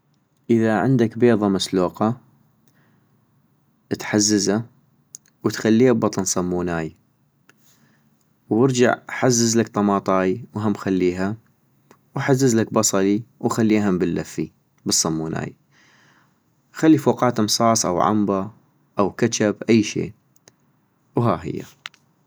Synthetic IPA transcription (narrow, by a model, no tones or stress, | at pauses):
ʔəðaʕɪ̰nd̪akbeːðˤɑmasluːqɑ | ʔt̪ħazːaza | wət̪xalːiːhabbɑt̪ˤɨnsˤɑmːuːnaːj | wɪɾd͡ʒa̰ʕħazːɪzlakt̪ˤɑmɑːt̪ˤɑːjwɦamːxalːiːɦa | wħazːɪzlakbɑsˤɑliwxalːiːɦambɪlːafːi | bɨsˤːɑmːuːnʔa̰ːj | xalːifoːqɑːt̪ɨmsˤɑːsˤʔa̰wʕa̰mba | ʔawkat͡ʃabʔajːʃḛː | wɦa̰ːɦɪ̰jːa̰